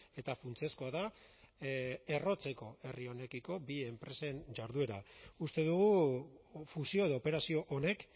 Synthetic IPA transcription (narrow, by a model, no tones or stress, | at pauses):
e̞t̪afunt͡se̞sko̞aða | e̞ro̞t͡se̞ko̞e̞rio̞ne̞kiko̞bie̞mpɾe̞send͡ʒaɾðue̞ɾa̰ust̪e̞ðuɣu | fusio̞e̞ðope̞ɾasio̞ʔone̞k